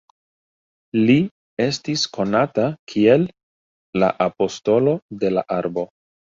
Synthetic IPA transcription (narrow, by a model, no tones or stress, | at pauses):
li | e̞stisko̞natakʰie̞lː | a̰ʔapo̞sto̞lo̞de̞la̰ʔaɾbo̞